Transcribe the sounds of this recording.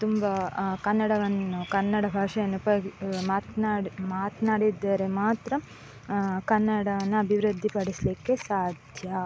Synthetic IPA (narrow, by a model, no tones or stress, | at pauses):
t̪umbɐkɐnːɐɽɐʋɐnːukɐnːɐɽɐbʱaːʂɐjɐnːupɐmaːt̪naːmaːt̪naːɽid̪ːaːɾe̞maːt̪ɾɐ | kɐnːɐɽɐʋɐnːuɐbʱiʋɾud̪ʱːipɐɽislikːe̞saːd̪ʱjɐ